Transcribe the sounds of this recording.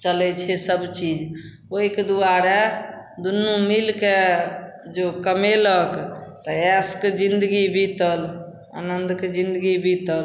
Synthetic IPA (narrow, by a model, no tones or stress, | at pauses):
t͡ʃəlɛt͡ʃʰɛsəbt͡ʃid͡ʒ | oiked̪uaɾed̪unːũmilke | d͡ʒokəmeləkt̪əɛsked͡ʒind̪ɡibʱit̪əl | a̰nənd̪ked͡ʒind̪əɡibʱit̪əl